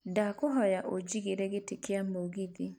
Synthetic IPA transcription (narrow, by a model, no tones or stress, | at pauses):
dakoɦɔjaʔod͡ʒiɣeɾɛɣetekeamoɣiði